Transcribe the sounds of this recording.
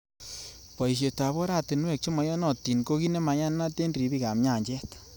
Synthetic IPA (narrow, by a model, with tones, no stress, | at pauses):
pɔ˨i˨ʃ̬je˨ta˨βo˦ɾa˦˨te˨nwɛ˦˨k̚t͡ʃo˦mɔ˨jɔ˦nɔ˦˨ti˨nko˦ki˦ne˦ma˨ɲa˦n˦na˦te˦ndɾi˨bi˦ka˨mɲa˦˨ɲd͡ʒɛ˦t